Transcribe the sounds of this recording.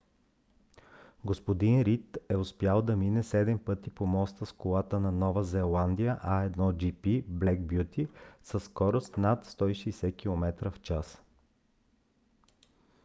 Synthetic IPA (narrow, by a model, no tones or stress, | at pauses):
ɡospod̪inɾit̪ɛʊspjalˠd̪ɐminɛsɛd̪ɛmpɤt̪ipomɔst̪əskolˠat̪ənɐnɔvəzɛlˠand̪ijəʔɐɛd̪nɔd͡ʒipiblɛɡbjut̪isəsːkɔɾost̪nat̪st̪ɔiʃɛjsɛkʲilˠomɛt̪ɾəft͡ʃas